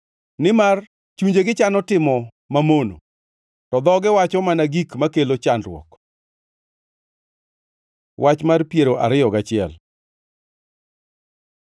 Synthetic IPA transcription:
nɪmar | t͡ʃuɲd͡ʒeɡɪt͡ʃanɔtɪmɔ | mamono̰ | tɔd̪ɔɡɪwat͡ʃɔmanaɡikmakelot͡ʃandrwɔ̰k | wʔat͡ʃmarpjeɾoʔa̰ɾɪɔɡat͡ʃɪɛ̰l

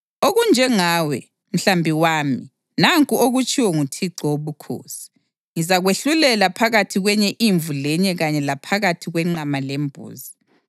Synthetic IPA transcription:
oɣund͡ʒʱɛŋaːwɛ | m̩ɬambʱiwaːmi | naŋkʼuoɣut͡ʃʼiwɔŋutʰiǀɔoβukʰo̰ːsi̥ | ŋizaɣweɬulɛlapʰaɣatʰiɣwɛɲɛʔiɱvulɛɲɛɣaɲɛlapʰaɣatʰiɣwɛŋ͡ǃamalɛmbʱo̰ːzi

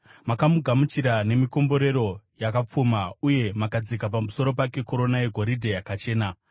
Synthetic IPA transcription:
makamuɡʱamut͡ʃiɾane̞miko̞mbo̞ɾe̞ɾo̞jakap͡fumauje̞makad͡zikapamuso̞ɾo̞pake̞ko̞ɾo̞naje̞ɡʱo̞ɾidʱejakat͡ʃe̞ːna

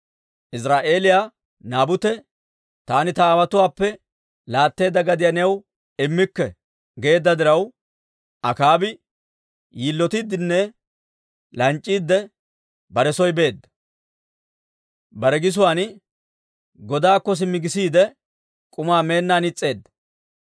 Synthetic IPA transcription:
ʔɪsɾaːʔe̞ːlɪjaː | naːbʊt̪ɛ | t̪aːnɪt̪ɐːwɐt̪ʊwaːpːɛ | laːt̪ːe̞ːd̪ːɐɡɐd̪ɪjanɛw | ɪmːɪkːɛ | ɡe̞ːd̪ːɐd̪ɪɾɐw | ʔɐkaːbɪ | jiːlːɔt̪ɪd̪ːɪnːɛ | lɐnt͡ʃʼːiːd̪ːɛ | bɐɾɛsɔjbe̞ːd̪ːɐ̥ | bɐɾɛɡɪs̬ʊwaːn | ɡɔd̪aːkːɔs̬ɪmːɪɡɪsiːd̪ɛ | kʼʊmaːme̞ːnːaːnɪt͡sʼːe̞ːd̪ːɐ̥

